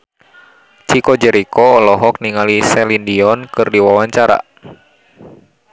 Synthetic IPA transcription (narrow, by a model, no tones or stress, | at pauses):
t͡ʃikɔd͡ʒɛɾikɔːlɔɦɔk̚niŋalisɛlindiɔnkɨrdiwawaɲt͡ʃaɾa̰